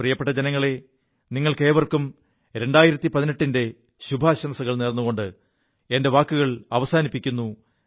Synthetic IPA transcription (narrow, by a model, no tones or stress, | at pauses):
prijɐpːeʈːɐd͡ʑenɐŋːɐɭe̞ | niŋːɐɭke̞ːʋɐrkum | ɾe̞ɳɖaːjiɾɐt̪ːipɐðineʈːinde̞ | ɕubʱaːɕɐmɐsɐɣɐɭneːrnːuɣo̞ɳɖɨ | ende̞ʋaːkːuɣɐɭɐʋɐsaːnipːikʲːunːu